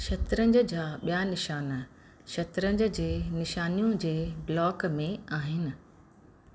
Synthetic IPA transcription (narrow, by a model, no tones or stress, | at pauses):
ʃɐt̪ɾə̃ɲd͡ʑəd͡ʑaːɓijanɪʃaːn | ʃɐt̪ɾə̃ɲd͡ʑ̆d͡ʑeːnɪʃaːnijũd͡ʑeːblɔːkmẽaːɦɪnɪ̆